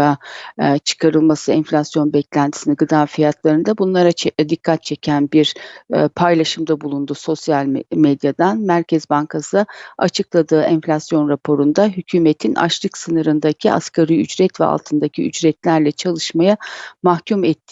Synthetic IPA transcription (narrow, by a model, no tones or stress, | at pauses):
a | t͡ʃʰɯ̥kʰaɾɯlˠmasɯɛnflʲasjo̞nbɛclʲænt̪ʰi̥siniɡɯd̪aːfijat̪lˠaɾɯnd̪abunlˠaɾad̪ikʰːat̪̚t͡ʃʰecʰænbiɾpʰajlˠaʃɯmd̪abulˠund̪uso̞sjalʲmed̪jad̪anmæɾcʰɛzbaŋkʰasɯa̰t͡ʃʰɯklˠad̪ɯːʔɛnflʲasjo̞nɾapʰo̞ɾund̪aɦycʰyːmet̪ʰinʔa̰ʃlˠɯksɯnɯɾɯnd̪acʰiʔa̰skʰaɾiyd͡ʒɾɛt̪vɛ̰a̰lˠt̪ʰɯnd̪acʰiyd͡ʒɾɛt̪lʲæɾlʲɛt͡ʃʰalˠɯʃmajamahcʰumɛt̪ʰːi